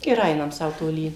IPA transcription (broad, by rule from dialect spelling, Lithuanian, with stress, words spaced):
ɪr ˈɐɪnɐm ˈsɐʊ toːˈlʲiː